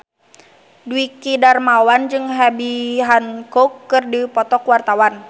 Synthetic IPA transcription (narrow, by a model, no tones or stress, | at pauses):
duikidarmawand͡ʒɨŋɦabiɦankɔkːɨrdipɔt̪ɔkwart̪awan